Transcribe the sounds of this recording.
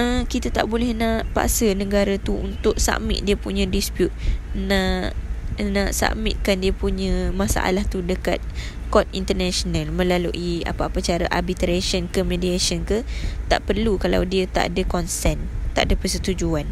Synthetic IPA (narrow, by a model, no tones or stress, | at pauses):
əkit̪at̪a̰ʔbolɛhnaʔpa̰ʔsənə̃ɡaɾat̪uṵnt̪ʊʔsa̰ʔmɪ̰t̪̚diəpuɲə̃dispjut̪̚na | naʔsa̰ʔmḭt̪̚kandiəpuɲə̃masa̰ʔa̰laht̪udəka̰t̪̚ | kɔt̪̚int̪ərnasonalmə̃laluʔia̰paapat͡ʃaɾaʔa̰rbit̪ɾesənkəmediasənkət̪a̰ʔpərlukala̰wdiət̪a̰ʔdəkɔnsɛnt̪a̰ʔadəpərsət̪ud͡ʒuan